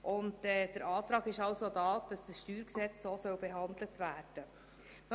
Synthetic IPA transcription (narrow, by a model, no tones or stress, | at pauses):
ʔʊndɛd̥əɾʔɑːtɾɑːɡɪʃɑʊsodɑːd̥ɑsd̥əsʃtyːɾksɛt͡ssoːsœwbeɦɑnd̪lətvæːɾd̥ə | m